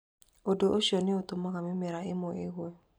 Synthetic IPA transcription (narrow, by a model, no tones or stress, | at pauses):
odoʔoʃonɪot̪omakamɪmɪɾaɪmɔɪɣwɛ